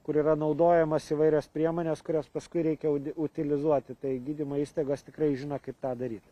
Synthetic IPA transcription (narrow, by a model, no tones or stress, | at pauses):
kʊɾiːɾɐnɐʊd̪oːjɛmɐsiʋɐɪɾʲospʲɾʲiɛmoːnʲeːskʊɾʲoːspɐskʊɪɾʲɛɪkʲɛʊʊt̪ʲɪlʲɪzuɔt̪ʲɪt̪ɐɪɡʲiːd̪ʲɪmoːiːst̪ɐɪɡost̪ʲɪkɾɐɪʒʲɪnɐkɐɪp̚t̪ɑːd̪ɐɾʲiːt̪